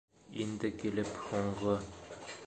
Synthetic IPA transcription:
ind̪ɘkilɘphuɴʁɤ

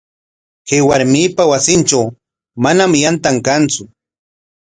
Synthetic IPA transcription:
kewaɾmiːpawasɪnt͡ʃaw | manamjant̪aŋkant͡sʊ

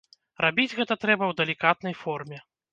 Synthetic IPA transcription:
rabʲid͡zʲɣɛt̪ɐt̪ɾɛbɐwd̪ɐlʲikat̪̚nɐjfɔrmʲɛ

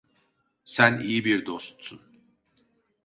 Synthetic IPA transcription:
sænijibiɾd̪ost̪sun

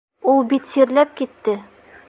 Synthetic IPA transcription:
ulˠbit̪siɾlæp̚kit̪ːɘ

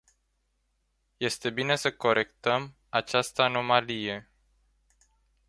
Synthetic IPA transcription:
je̞st̪e̞bine̞səko̞ɾʔe̞kt̪əm | at͡ʃast̪əano̞malije̞

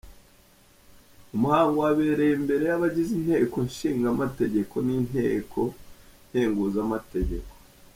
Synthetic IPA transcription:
umuhaːŋɡowaβe̞ːɾe̞jembe̞ɾe̞jaβaɟizin̥he̞ːko̞ɲʃiːŋɡamate̞ɟe̞kʰo̞nin̥he̞ːkʰo̞n̥heːŋɡuːzamate̞ɟe̞̰ko

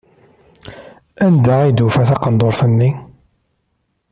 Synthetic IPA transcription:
ænd̪æid̪ufæθɑqənd̪ˤoɾθənːi

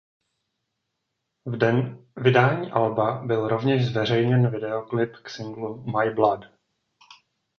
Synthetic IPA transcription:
vɪdaːɲiːʔalbabɪlɾo̞vɲɛʒzvɛr̝ɛjɲɛnvɪdɛo̞klɪpksɪŋɡlumajblad

